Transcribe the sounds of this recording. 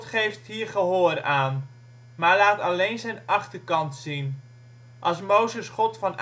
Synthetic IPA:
tχejftɦiːɹχəɦoːraːn | maːɹlaːtɑlejnzɛjnɑχtəɹkɑntsin | ʔɑlˠsmowzəsχɔtfɑn

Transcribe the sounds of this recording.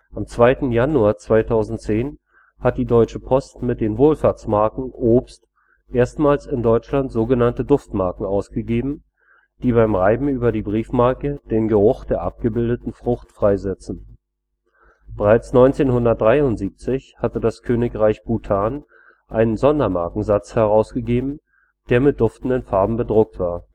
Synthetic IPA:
ʔamt͡sv̥aɪtn̩januaːɐt͡sv̥aɪtʰaʊzn̩tt͡seːn | hat̚d̥iːdɔʏt͡ʃəpʰɔstmɪt̚d̥eːnvoːlfaːɐt͡smaɐkŋ̩ʔoːpst | ʔeːɐstmaːlsɪndɔʏt͡ʃlantz̥oːɡənantədʊftmaɐkŋ̩aʊsɡ̥əɡeːbm̩ | d̥iːbaɪmʁaɪbm̩yːbɐdiːbʁiːfmaɐkəd̥eːnɡəʁʊχd̥eːɐʔa̰p̚ɡ̥əbɪldətn̩fʁ̥ʊxtfʁ̥aɪzɛt͡sn̩ | b̥əʁaɪt͡snɔʏnt͡seːnhʊndɐt̚d̥ʁaɪʊntz̥iːp̚t͡sɪçhatədaskʰøːnɪkʁaɪçb̥utʰaːn | ʔaɪnənzɔndɐmaɐkŋ̩zat͡shɛʁaʊsɡ̥əɡeːbm̩ | d̥eːɐmɪt̚d̥ʊftn̩dənfaɐbm̩bədʁʊk̚tv̥aːɐ

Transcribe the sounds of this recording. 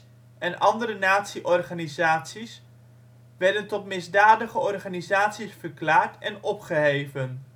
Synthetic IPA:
ɛnɑndəɾənaːtsiʔɔrχaːnizaːtsis | ʋɛɹdəntɔtmɪzdaːdəχəɔrχaːnizaːtsisfəɹklaːɹtɛnɔpχəɦejvən

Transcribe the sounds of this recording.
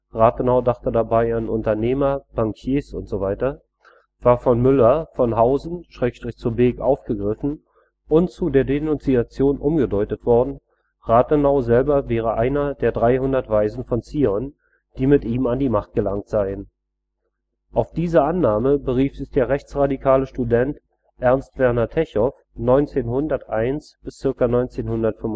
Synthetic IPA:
ʁaːtənaʊdaχtədabaɪanʔʊ̰ntɐneːmɐb̥aŋkʰjeːsʊntz̥ovaɪtɐ | v̥aːɐfɔnmʏlɐfɔnɦaʊzn̩ʃʁ̥ɛːkʃtʁ̥ɪçt͡suːɐbeːkʔaʊfɡ̥əɡʁɪfn̩ | ʔʊntt͡sudeːɐdenʊnt͡siat͡sjoːnʔʊmɡədɔʏtətv̥ɔɐdn̩ | ʁaːtənaʊzɛlbɐvɛːʁ̞əʔaɪnɐdeːɐdʁaɪɦʊndɐtv̥aɪzn̩fɔnt͡siːɔn | d̥iːmɪtiːmandiːmaχt̚ɡ̥əlaŋtz̥aɪən | ʔaʊfd̥iːzɐʔanːaːməbəʁiːfz̥ɪçd̥eːɐʁɛçt͡sʁadikʰaːləʃtudɛnt | ʔɛɐnstv̥ɛɐnɐtʰɛçɔf | nɔʏnt͡seːnɦʊndɐtʔaɪnsb̥ɪst͡sɪɐkanɔʏnt͡seːnhʊndɐtfʏm

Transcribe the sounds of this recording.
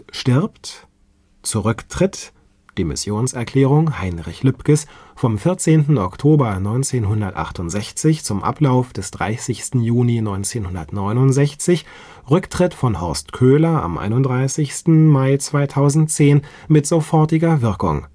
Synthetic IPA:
ʃtɪɐpt | t͡suʁʏktʁ̥ɪt | d̥iːmɪ̰sjoːnsɛɐkʰl̥ɛːʁ̞ʊŋhaɪnʁɪçlʏpkəs | fɔmfɪɐt͡seːntn̩ɔktʰoːbɐnɔʏnt͡seːnɦʊndɐtʔa̰χtʊntz̥ɛçt͡sɪçt͡sʊmʔa̰plaʊfd̥ɛsd̥ʁa̰ɪsɪçstn̩juːninɔʏnt͡seːnhʊndɐtnɔʏnʊntz̥ɛçt͡sɪç | ʁʏktʁ̥ɪtfɔnɦɔɐstkʰøːlɐa̰mʔa̰ɪnʊnd̥ʁaɪsɪçstn̩maɪt͡sv̥aɪtʰaʊzn̩tt͡seːn | mɪtz̥ofɔɐtɪɡɐvɪɐkʊ̰ŋ

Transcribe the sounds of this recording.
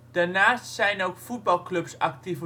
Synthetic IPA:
d̥aɹnaːstsɛjnowkfud̚bɑlˠklɵpsɑktivə

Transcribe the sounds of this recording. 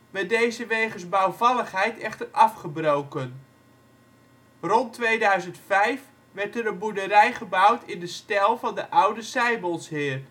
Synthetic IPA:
ʋɛdejzəʋejχənzbawvɑləχɦɛjtɛχtərɑfχəbrowkən | rɔntʋejdœɥzəntfɛjf | ʋɛɹtəɾənbudəɾɛjχəbʌwtʰɪndəstɛlˠvɑndəʔʌwdəsɛjbəlˠsɦɪːr

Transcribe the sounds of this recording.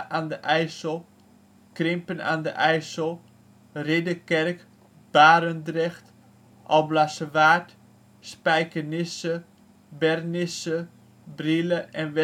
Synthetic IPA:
ʔaːndəʔɛjsəlˠ | krɪmpəna̰ːndə̰ʔɛjsəlˠ | rɪdəkɛrk | b̥aːɾəndrɛxt | ʔɔlˠblasəʋaːt | spɛjkənɪsə | bɛrnɪsə | briləʔɛnʋɛ

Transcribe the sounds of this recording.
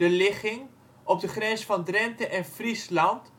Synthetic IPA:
əlɪχɪŋ | ɔb̚dəχrɛnsfɑndrɛntəʔɛnfrislɑnt

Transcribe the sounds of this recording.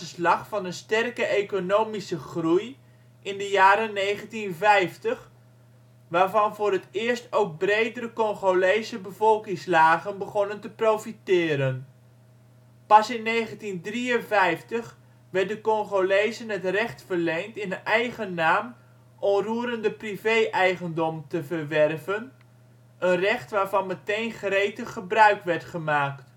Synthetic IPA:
əslɑχfɑnənstɛrkəʔejkonowmisəχruj | ʔɪndəjaːɾənːejχəntinvɛjftəχ | ʋaːrvɑnvʊːɾətɪːɹstowk̚brejdəɾəkɔŋχolejsəbəvɔlˠkɪŋslaːɣənbəχɔnəntəprowfitɪːɾən | pɑsɪnːejχəntindriənvɛjftəχ | ʋɛrt̚dəkɔŋχolejzənətrɛχtfərlejŋtɪnənʔɛjχənːaːm | ʔɔmruəɾəndəprivejʔɛjχəndɔmtəvərʋɛrvən | ənrɛχtʋaːɹvɑnmətejnχrejtəχəbrœɥkʋɛɹtχəmaːkt

